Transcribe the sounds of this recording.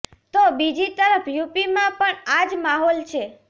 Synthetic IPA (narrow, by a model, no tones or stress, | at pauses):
t̪obid͡ʒit̪əɾəfʰjupimãpəɳad͡ʒmaɦɔlt͡ʃʰe